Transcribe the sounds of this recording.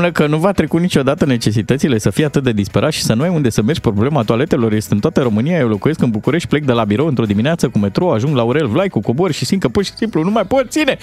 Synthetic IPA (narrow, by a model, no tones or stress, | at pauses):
nəkənuvat̪ɾe̞kunit͡ʃʲo̞d̪at̪əne̞t͡ʃe̞s̬it̪ət̪sile̞səfijeat̪ɨt̪̚d̪e̞d̪ispeɾʔat̪ʃi̥sənuajund̪e̞səme̞rd͡ʒʲpɾo̞ble̞mat̪uale̞t̪e̞lo̞rje̞st̪eɨnt̪oat̪əɾo̞mɨniajewlo̞kuje̞skɨnbukuɾe̞ʃt̪̚ʲple̞k̚d̪e̞labiɾo̞wɨnt̪ɾo̞d̪imineat̪səkume̞t̪ɾo̞aʒuŋɡlauɾe̞lvlajkuko̞bo̞rʲʃisinkəpurʃi̥simplunumajpot̪̚t̪sine̞